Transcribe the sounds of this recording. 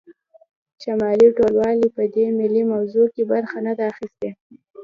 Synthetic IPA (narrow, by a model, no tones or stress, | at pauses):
ʃamɑliʈolwɑlipəd̪emɪlimawzokebaɾxanad̪aːxist̪e